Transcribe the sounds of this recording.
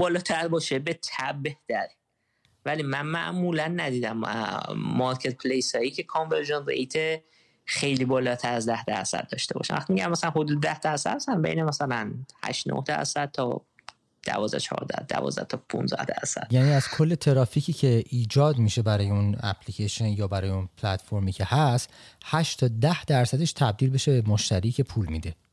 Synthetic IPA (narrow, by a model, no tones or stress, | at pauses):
bɒːlɒːt̪ʰæɾbɒːʃebet̪ʰæb̚be̞ht̪æɾi | væliːmænmæ̰ʔmuːlænːæd̪iːd̪æm | mɒɾcʰe̞t̪̚pʰlejsɒːjicʰe̞kʰonveɾʒonrḛjt̪ʰe | xe̞jliːbɒːlɒːt̪ʰæɾæzd̪æhd̪æɾsæ̰d̪̚d̪ɒ̰ːʃt̪e̞bɒ̰ʃæ̰nvæxt̪imiɟæmːæsælænɦo̞d̪uːd̪ed̪æhd̪æɾsæ̰d̪sænbe̞̰jnemæsælænhæ̰ʃno̰hd̪æ̰ɾsæd̪̚t̪ʰɒ̰ː | d̪̥æ̰vɒːzd̪æ̰t͡ʃʰɒ̰ːɾd̪æ̰d̪æ̰vɒ̰ːzd̪æ̰t̪ʰɒpʰṵnzd̪æ̰hd̪æɾsæd̪̥̚jæːniːæz̥kʰo̞lːe̞t̪ʰeɾɒːfiːcʰiːcʰe̞ʔiːd͡ʒɒːd̪miʃe̞bæɾɒːjeunæ̰pʰlicʰeʃonjɒːbæɾɒːjeunpʰlæt̪fo̞ɾmiːcʰe̞hæst̪hæʃt̪ʰɒːd̪æhd̪æɾsæd̪eʃt̪ʰæb̚d̪iːlbe̞ʃebemoʃt̪ʰæɾiːcʰe̞pʰuːlmid̪e̞